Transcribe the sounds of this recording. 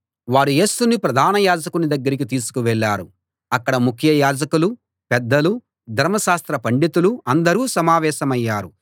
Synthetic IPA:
ʋaːɾuje̞ːst̪unipɾɐd̪ʱaːnɐjaːd͡ʒɐkunid̪ɐɡːɐɾikit̪iːsu̥kuʋɛɭːaːɾu | ɐkːɐɽɐmukʰjɐjaːd͡ʒɐkulu | pɛd̪ːɐlu | d̪ʱɐɾmɐʃaːst̪ɾɐpɐɳɖit̪uluɐnd̪ɐɾuːsɐmaːʋɛːʃɐmɐjːaːɾu

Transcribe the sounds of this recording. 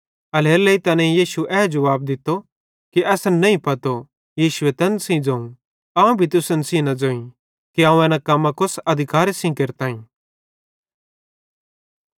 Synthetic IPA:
ɐleːleit̪ɐnẽjiːʃuʔɛːd͡ʒɐʋaːb̚d̪ɪt̪ːo | kiʔɛːsnɐĩpɐt̪o | jiːʃʊet̪ɛnsĩd͡zɐ̃ːũ | aːũbʱit̪ʊsənsĩnɐd͡zoːĩ | kiãːũɛ̃ːnãkɐmːãkʊsɐd̪ʱɪkaːɾesĩkeɾt̪aːĩː

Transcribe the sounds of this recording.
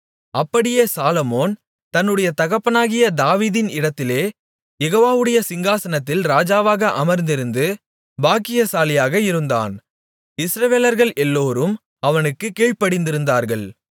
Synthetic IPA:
ɐpːɐɽɪjeːsaːlɐmoːn | t̪ɐnːɯɽɐjɐt̪ɐɣɐpːɐnaːɣɪjɐd̪aːʋiːðɪnɪɽɐt̪ːɪleː | jɛɣoːʋaːʋɯɽɐjɐsɪŋɡaːsɐnɐt̪ːɪlɾaːd͡ʒaːʋaːɣɐʔɐmɐɾnd̪ɪɾɯnd̪ɯ | baːkɪjɐsaːlɪjaːɣɐɪɾɯnd̪a̰ːn | ɪsɾɐʋeːlɐɾɣɐɭʔɛlːoːɾɯm | ɐʋɐnɯkːɯkːiːɻpɐɽɪnd̪ɪɾɯnd̪aːɾɣɐɭ

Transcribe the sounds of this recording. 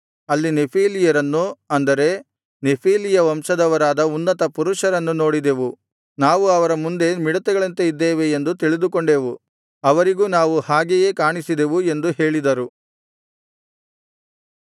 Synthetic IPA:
ɐlːinepʰiːlijɐɾɐnːuɐnd̪ɐɾe̞ | nepʰiːlijɐʋɐmsɐd̪ɐʋɐɾaːd̪ɐunːɐt̪ɐpuɾuʂɐɾɐnːuno̞ːɽid̪eʋu | naːʋuɐʋɐɾɐmund̪e̞miɽut̪ɛɡɐɭɐnt̪eid̪ːeːʋe̞ːnd̪ut̪iɭid̪uko̞ɳɖe̞ːʋu | ɐʋɐɾiɡuːnaːʋuhaːɡeje̞ːkaːɳisid̪eʋuend̪uɦe̞ːɭid̪ɐɾu

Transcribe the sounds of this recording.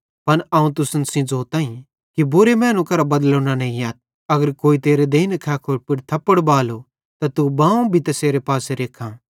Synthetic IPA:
pɐnɐːũt̪ʊsənsĩd͡zoːt̪aːĩ | kibʊɾemɛːnũkɐɾabɐd̪lonanɐ̃ĩaːt̪̚ | ɐɡəɾkoːit̪eːɾed̪eːinɐkʰɛːkʰoːɾpɪɽt̪ʰɐpːəɽbaːlo | t̪at̪ubãːũbʱit̪ɐseːɾepaːseɾeːkʰãː

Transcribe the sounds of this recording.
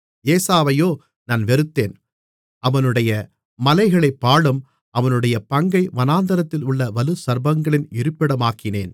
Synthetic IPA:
eːsaːʋɐjoː | naːnʋɛɾɯt̪ːeːn | ʔɐʋɐnɯɽɐjɐ | mɐlɐɪɣɐɭɐɪpːaːɽɯm | ʔɐʋɐnɯɽɐjɐpɐŋɡɐɪʋɐnaːnd̪ɐɾɐt̪ːɪlʊɭːɐʋɐlɯsɐɾbɐŋɡɐɭɪnɪɾɯpːɪɽɐmaːkɪnḛːn

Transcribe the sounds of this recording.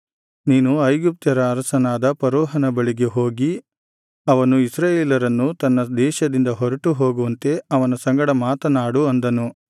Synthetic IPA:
niːnuɐjɡup̚t̪ɐɾɐːɾɐsɐnaːd̪ɐpɐɾɔːɦɐnɐbɐɭiɡe̞ɦo̞ːɡi | ɐʋɐnuisɾaːjeːlɐɾɐnːut̪ɐnːɐd̪ɛːʃɐd̪ind̪ɐɦɔɾɐʈuɦo̞ːɡuʋɐnt̪e̞ɐʋɐnɐsɐŋɡɐɽɐmaːt̪ɐnaːɽuɐnd̪ɐnu

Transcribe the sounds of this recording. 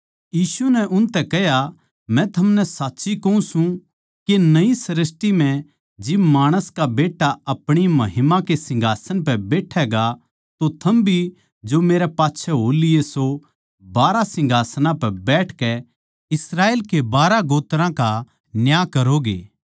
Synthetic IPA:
jiːsunɛʔʊnt̪ɛkɐɦja | mɛ̃t̪ʰɐmnɛsaːtːʃikɐũsũ | kenɐisɐɾəsʈimɛ̃ | d͡ʒɪbmaːɽ̃əskabeːʈːaɐpɽ̃imɐɦɪmãkesɪ̃ŋɡʱaːsəñpɛbeːʈʰɛɡa | t̪ot̪ʰɐmbʱi | d͡ʒomeːɾɛpaːtːʃʰɛɦoːlɪeso | baːɾasɪ̃ŋɡʱaːsñãpɛbɛːʈʰkɛ | ɪsɾaːeːlkebaːɾaɡoːt̪ɾãka | njaːkɐɾoɡḛː

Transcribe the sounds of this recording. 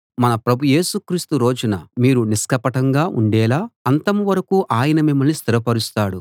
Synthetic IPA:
mɐnɐpɾɐbʱuje̞ːsukɾiːst̪uɾo̞ːd͡ʒunɐ̰miːɾuniskɐpɐʈɐŋɡaːʔuɳɖɛːlaːɐnt̪ɐmuʋɐɾɐkuːʔaːjɐnɐmimːɐɭːnist̪ʰiɾɐpɐɾust̪aːɽu

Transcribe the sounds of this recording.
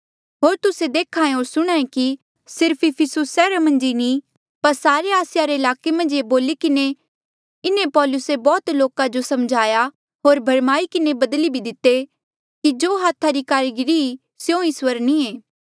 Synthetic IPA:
ɦoːɾt̪ʊsed̪eːkʰaːẽɦoːɾsʊɽ̃ãːẽki | sɪɾpʰɪpʰɪsʊsːɛːɾamɐ̃nd͡ʒinĩ | pɐɾsaːɾeaːsɪjaɾeɪlaːkemɐ̃nd͡ʒjeboːlikɪne | ɪnẽpɔːlʊsebɔːt̪loːkad͡ʒosɐmd͡ʒʱaːja | ɦoːɾbʱɐɾmaːikɪnebɐd̪libʱid̪ɪt̪ːe | kid͡ʒoːɦaːt̪ʰaɾikaːɾɡɪɾii | sjõiswəɾnĩeː

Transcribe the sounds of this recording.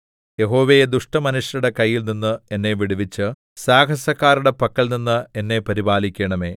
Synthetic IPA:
je̞ɦo̞ːʋejed̪uʂʈɐmɐnuʂjɐɾuɽe̞kɐjːilninːɨe̞nːe̞ʋiɽuʋit͡ɕːɨ | saːkʰɐsɐkːaːɾuɽe̞pɐkːɐlninːɨe̞nːe̞pɐɾibaːlikʲːeɳɐme̞ː

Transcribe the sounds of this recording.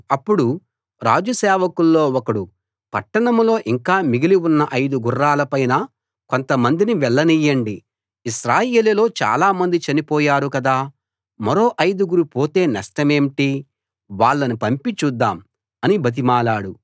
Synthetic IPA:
ɐpːuɽu | ɾa̰ːd͡ʒusɛːʋɐkulːo̞ːɔkɐɽu | pɐʈːɐɳɐmlo̞ːʔiŋkaːmiɡiliunːɐʔɐjd̪uɡurːaːlɐpɐjnɐ | kont̪ɐmɐnd̪iniʋɛɭːɐnijːɐɳɖiː | ʃɾaːje̞ːlilo̞ːt͡ʃa̰ːlaːmɐnd̪it͡ʃɐnipɔːjaːɾukɐd̪aː | mɐɾoːʔɐjd̪uɡuɾupo̞ːt̪e̞ːnɐ̰ʂʈɐmeːmʈi | ʋaːɭːɐnupɐmpit͡ʃuːd̪ːaːm | ɐnibʱɐt̪̬imaːlaːɽu

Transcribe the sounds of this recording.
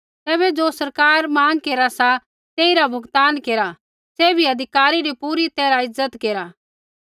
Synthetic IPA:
t̪ɛːβɛd͡ʒoːsɐɾkaːɾmãːŋɡkeːɾasa | teːiɾabʱʊkt̪aːnkeːɾa | seːbʱiɐd̪ʱɪkaːɾiɾipuːɾit̪ɛːɾaɪzːət̪keːɾaː

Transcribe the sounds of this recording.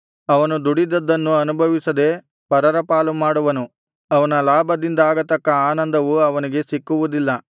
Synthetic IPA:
ɐʋɐnud̪uɽid̪ɐd̪ːɐnːuɐnubʱɐʋisɐd̪e̞ː | pɐɾɐɾɐpaːlumaːɽuʋɐnu | ɐʋɐnɐlaːbʱɐd̪ind̪ɐaːɡɐt̪ɐkːɐaːnɐnd̪ɐʋuɐʋɐniɡe̞sikːuʋud̪ilːɐ

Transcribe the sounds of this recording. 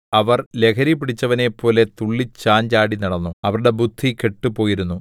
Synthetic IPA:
ɐʋɐrle̞kʰɐɾipːiɽit͡ɕːɐʋɐne̞ːpːo̞ːlet̪uɭːit͡ɕːaːɲd͡ʑaːɽinɐɽɐnːuɐʋɐɾuɽe̞bud̪ʱːike̞ʈːupo̞ːjiɾunːu

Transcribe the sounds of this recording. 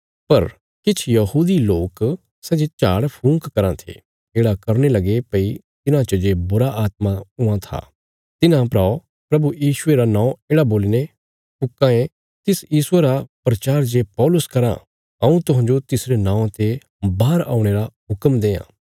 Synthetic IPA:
pɐɾ | kɪt͡ʃʰjɐɦuːd̪iloːk | sɛd͡ʒet͡ʃa̰ːɽpʰũːkkɐɾãt̪ʰḛ | eːɽakɐɾnelɐɡepɐi | t̪ɪnãt͡ʃɐd͡ʒebʊɾaʔaːt̪maʊãt̪ʰa̰ | t̪ɪnãpɾaːo | pɾɐbujiːʃʊeɾanãːõeːɽaboːline | pʊkːãẽ | t̪ɪsjiːsʊeɾapɾɐt͡ʃaːɾd͡ʒepɔːlʊskɐɾã̰ | ɐũt̪ʊɦãːɲd͡ʒot̪ɪsɾenãːõt̪e | baːɾa̰ːʊ̃ɽ̃eːɾaɦʊkəmd̪eːã̰ː

